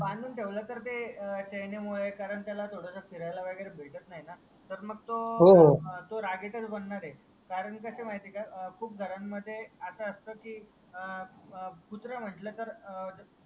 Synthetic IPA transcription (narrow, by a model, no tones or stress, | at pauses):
bãnd̪ʱuːnʈʰeʋlət̪əɾt̪et͡ɕəjnemuɭekaɾəɳt̪jalat̪ʰoɽasafiɾajlaʋəɡəjɾebʱeɭʈət̪naɦina | t̪əɾməɡ̚t̪oɦoɦt̪oɾaɡeʈ̪ət͡sbənːaɾɦe | kaɾəɳkəsemaɦit̪ekakʰuːp̚ɡʱəɾamːəd̪ʱːjeəsəəst̪əkiː | put̪ɾəm̤əɳʈlət̪əɾ